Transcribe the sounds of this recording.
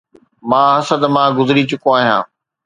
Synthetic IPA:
mãːɦɐsəd̪mãːɡʊzɪɾit͡ɕʊkoaːɦijã̰ː

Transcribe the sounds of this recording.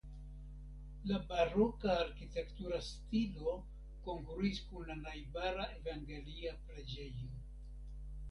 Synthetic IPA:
labaɾo̞kaːɾkite̞ktuɾastilo̞ | ko̞ŋkɾuiskunlanajbaɾaʔe̞vaŋɡe̞liapɾe̞d͡ʒe̞jo

